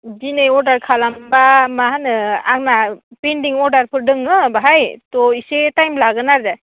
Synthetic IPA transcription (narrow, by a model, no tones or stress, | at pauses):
dinɯjɔɾdaɾkʰalambamaɦanɯaŋnapendiŋɔɾdaɾpʰɯɾdɯŋːɯbaɦajtɔisetajmlaɡɯnaɾda